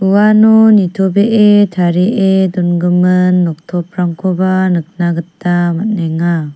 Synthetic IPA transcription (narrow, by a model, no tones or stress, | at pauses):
uwanonitʰobeʔetʰaɾiʔedunɡɯmɯnːɔk̚tʰɔp̚ʰɾaŋkʰobanɯk̚naɡɯtːamat̚neŋa